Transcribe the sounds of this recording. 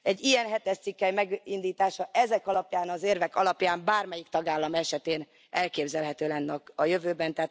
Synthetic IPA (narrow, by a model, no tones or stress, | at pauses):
ɛɟːijɛnɦɛt̪ɛʃt̪sikːɛjmɛɡind̪iːt̪aːʃɒʔɛzɛkɒlɒpjaːnɒzeːrvɛkɒlɒpjaːmbaːrmɛjikt̪ɒɡaːlːɒmɛʃɛt̪eːn | ɛlkeːbzɛlɦɛt̪øːlɛnːɛkɒjø̞vøːbɛnt̪ɛːt̪